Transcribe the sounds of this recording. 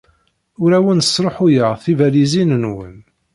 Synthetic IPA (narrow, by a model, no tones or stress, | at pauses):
ʊɾæwənə̥sɾˤoħʊjəʁθivælizinənwə̰n